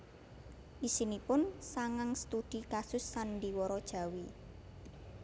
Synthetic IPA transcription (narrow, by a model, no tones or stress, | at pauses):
ʔisinipʊnsaŋaŋst̪ud̪̥ikasʊsːandiwɔɾɔd̥ʒ̥ä̤wi